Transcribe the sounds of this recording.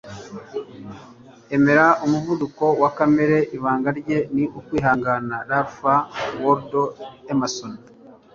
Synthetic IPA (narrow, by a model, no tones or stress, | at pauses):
e̞me̞ɾaomuvuduko̞wakame̞ɾe̞ʔiβaːŋɡaɾɟe̞niʔukwiːɦaːŋɡanaɾaɾfawoɾdoemason